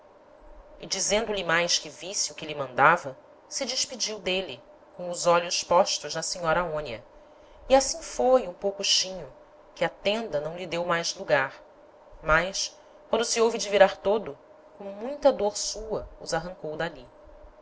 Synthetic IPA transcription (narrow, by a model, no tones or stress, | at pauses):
id͡ʒizẽnd̪ʊlimajʃkɪvisiukɪlimɐ̃nd̪avɐ | sɪd͡ʒiʃpid͡ʒiwd̪eli | kõʊzɔʎʊʃpɔʃt̪ʊʒd̪ɐsiɲɔɾɐaõniɐ | iasĩfojũpowkʊʃĩɲʊ | kɪɐt̪ẽnd̪ɐnɐ̃w̃lid̪ewmajzluɡaɾ | majs | kwɐ̃nd̪ʊsiowvid͡ʒiviɾaɾt̪od̪ʊ | kõw̃mũj̃t̪ɐd̪oɾsuɐʊzaɦɐ̃ŋkowd̪ali